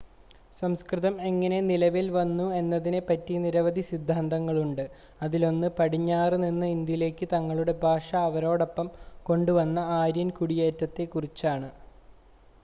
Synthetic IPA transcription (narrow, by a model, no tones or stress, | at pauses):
sɐmskrɨðɐme̞ŋːɐne̞nilɐʋilʋɐnːue̞nːɐðinɨpɐtːiniɾɐʋɐd̪ʱisid̪ʱːaːnd̪ɐŋːɐɭuɳɖɨ | ɐðilo̞nːɨpɐɽiɲːaːrninːɨind̪jile̞ːkːɨt̪ɐŋːɐɭuɽe̞bʱaːʂɐːʋɐɾo̞ːɽo̞pːɐmko̞ɳɖuʋɐnːɐaːɾjɐnkuɽijeːtːɐt̪ːe̞kurit͡ɕːaːɳɨ